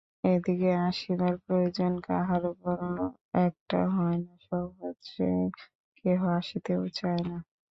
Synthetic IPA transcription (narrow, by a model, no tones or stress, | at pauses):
ed̪ikeaʃid̪aɾpɾojod͡ʑonka̰ɦalokɔɾlo | ɛk̚ʈa̰ɦɔenaʃɔbodʃe | keɦoaʃit̪eot͡ɕaena